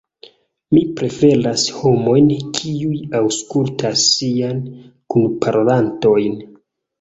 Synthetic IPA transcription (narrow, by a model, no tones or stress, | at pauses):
mipɾe̞fe̞lasho̞mo̞jnkʰiujawskultʰasːiankunpʰaɾolanto̞jn